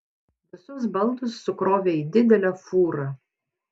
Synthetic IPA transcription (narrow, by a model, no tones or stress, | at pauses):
ʋʲɪsʊs̬bɐlˠd̪ʊsːʊkɾoːʋʲeːiːd̪ʲɪd̪ʲɛlʲɛfuːɾɐ